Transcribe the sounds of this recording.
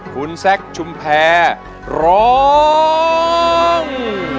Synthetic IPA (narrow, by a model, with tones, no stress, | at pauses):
kʰu˨˩˥nsɛ˦˥˩k̚t͡ɕʰu˧mpʰɛː˧ | ɾɔː˦ | ŋ